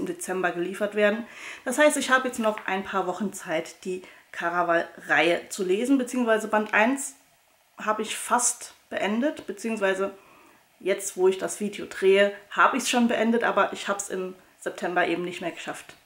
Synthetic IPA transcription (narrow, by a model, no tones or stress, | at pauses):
ɪmdet͡sɛmbɐɡəliːfɐtv̥eːɐdn̩d̥ashaɪstɪçhaːbəjɛt͡stnɔχʔa̰ɪnpʰaːɐvɔχn̩t͡saɪtd̥iːkʰaʁavalʁaɪət͡suleːzn̩bət͡siːʊŋsv̥aɪzəbantʔaɪns | haːbəɪçfastb̥əʔɛndətb̥ət͡siːʊŋsv̥aɪzə | jɛt͡stv̥oːɪçd̥asv̥iːdejoːdʁeːəhaːbəɪçsʃoːnbəʔɛndətʔa̰ːbɐʔɪçhaːbəsɪ̰m | z̥ɛp̚tʰɛmbɐʔeːbm̩nɪçtmeːɐɡəʃaft